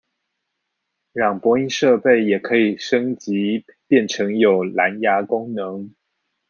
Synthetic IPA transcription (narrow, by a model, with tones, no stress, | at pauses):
ɻɑ˥˩ŋpwɔ˧˥i˥nʂɤ˥˧pe˥˩ɪjɛ˨˩kʰɤ˧˥i˨˩ʂɤ˥ŋt͡ɕi˧˥pjɛ˥˩nʈ͡ʂʰɤ˧˥ŋjo˨˩ʊla˧˥nja˧˥kʊ˥ŋnɤ˧˦ŋ